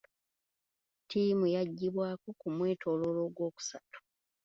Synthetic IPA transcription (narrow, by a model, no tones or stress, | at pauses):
tiːmujaɟːiβwaːkukumwe̞ːtʰo̞ːlo̞lo̞ːɡwo̞ːku̥satu̥